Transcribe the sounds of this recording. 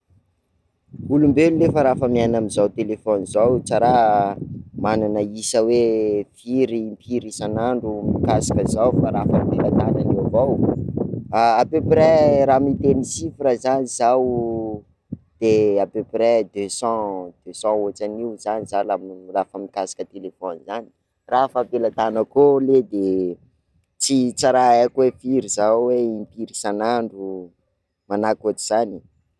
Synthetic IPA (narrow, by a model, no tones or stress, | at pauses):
ulumbelulefaɾafəmianamizawt̪elefɔnizawt͡ʃaɾa | mananəisəwefiɾiːmpʰiɾisanaɳɖ͡ʐumikasḁkəzawfaɾafəmbelat̪ananewvaw | aapøprɛɾamit̪enisifiɾəzanizaw | d̪̥eapøpɾɛd̪øsɑ̃d̪̥øsɑ̃ot͡saniwzanizalamlafəmikasḁkət̪elefɔnzani̥ | rafəpelat̪anəkoled̪e | t͡sit͡saɾaekwefiɾizawweimpiɾisanaɳɖ͡ʐu | manakot̪i̥z̥ani̥